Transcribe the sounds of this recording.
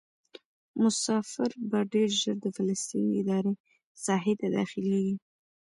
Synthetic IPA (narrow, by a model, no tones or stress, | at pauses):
mʊsɑfɪɾbɑɖeɾʒəɾd̪əfaləst̪ineɪd̪ɑɾe | sɑɦɪt̪ad̪ɑ̰xɪleɡi